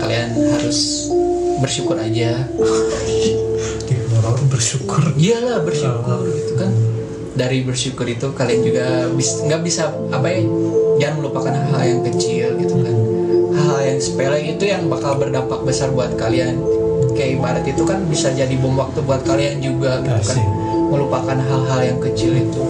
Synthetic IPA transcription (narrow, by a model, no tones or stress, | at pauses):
kalianhaɾʊs | bərʃukʊɾad͡ʒa | imaɾabərʃukʊrijalahbərʃukʊrɡit̪ukan | daɾibərʃukʊɾit̪ukaliand͡ʒuɡabisŋɡaʔbisa | apajad͡ʒaŋanməlupakanɦa̰ljaŋkət͡ʃɪlɡit̪ukanhaljaŋsə̥pelɛit̪ujaŋbakalbərdampak̚bəsarbuat̪̚kalian | kaibaɾət̪it̪ukanbisad͡ʒadibʊmwak̚t̪ubuat̪̚kaliand͡ʒuɡaɡit̪ukan | məlupakanɦalɦaljaŋkət͡ʃɪlit̪u